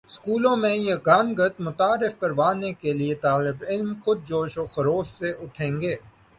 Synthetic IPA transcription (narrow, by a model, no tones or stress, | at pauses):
skuːlõmẽjɐɡaːnɡət̪mʊt̪aːɾɪfkɐɾʋaːnekeliet̪aːlɪbɪlmxʊd̪̚d͡ʒoːʃoxɐɾoːsseʔʊʈʰẽːŋɡeː